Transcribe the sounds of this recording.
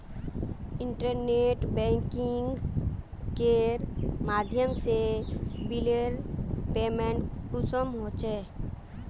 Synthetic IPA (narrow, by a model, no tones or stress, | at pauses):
ɪɳʈəɾneʈbɛ̃ːŋkɪŋɡ | keɾmaːd̪ʱjəmsebileɾpeːmẽɳʈkʊsəmɦoːt͡ʃe